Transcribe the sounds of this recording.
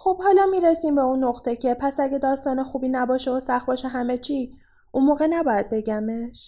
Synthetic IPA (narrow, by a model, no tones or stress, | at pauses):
xob̥hɒːlɒːmiːɾesiːmbeunːoɣt̪ʰe̞cʰe̞pʰæsæɟed̪ɒːst̪ɒːnexuːbiːnæbɒːʃeosæxt̪bɒːʃeɦæme̞t͡ʃʰiː | ʔunmoːɣe̞næbɒːjæd̪̚be̞ɟæmeʃ